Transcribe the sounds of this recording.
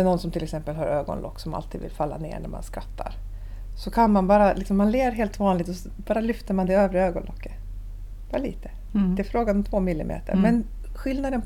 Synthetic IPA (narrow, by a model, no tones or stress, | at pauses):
ɛnɔnsɔmt̪ʰɪlɛksɛmpəlɦaɾøːɡɔ̰nlɔ̰kːsɔma̰lt̪ʰiːd̪vɪ̰lfalːa̰nḛːɳæ̰ɾma̰nskɾat̪ʰːa̰ɾ | sɔkʰanmanbɑːɾalɪksɔmːanleːvəɾɦeːlt̪vɑːnlɪɡ̚t̪ɔsɔbɑːɾalʏft̪əɾmand̪ɛøːvɾəøːɡɔnlɔ̰kːə̥ | bɑɾalḭːt̪ə̥ | d̪ɛːfɾoːɡanɔmt̪ʰvoːmɪlːɪmʔḛːt̪ʰə̰ɾmɛn | ɧɪlnad̪ən